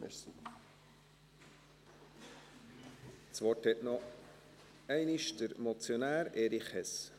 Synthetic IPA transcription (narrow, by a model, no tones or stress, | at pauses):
ɛ̰si | t͡sʋɔthɛtnɔ | ɛɪnɪʃdəɾmot͡sjonæːɾeːɾiχɛs